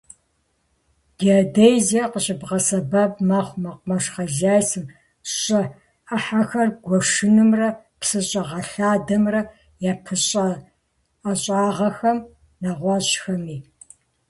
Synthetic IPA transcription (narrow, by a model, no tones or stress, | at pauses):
diodejziɐqəɕʼɪbʁɐsɐbɐbmɐχʷmɐqʷmɐʂχɐzjaːjsɨm | ɕʼɐ | ɐħaxɐrɡʷɔʂɨnɨmrɐ | psɨɕʼɐʁɐɬaːdɐmrɐ | jaːpʰɨɕʼɐː | ɕʼaːʁɐxɐm | nɐʁʷɑʑxɐmiː